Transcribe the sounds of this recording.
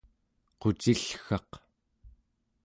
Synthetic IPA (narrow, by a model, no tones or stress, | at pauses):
qot͡ʃiɬxɑq